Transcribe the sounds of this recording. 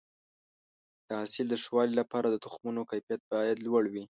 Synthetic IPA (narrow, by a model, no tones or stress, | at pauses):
d̪̥əɦasɪld̪əʂwɑlilapɑɾad̪ət̪ʊxmunokajfijat̪̚bɑjad̪lwaɽwi